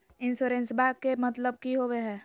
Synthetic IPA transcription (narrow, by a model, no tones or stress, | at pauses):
ɪnsoɾẽːnsbaːɡkemət̪ləb̚kiɦoweɦɛː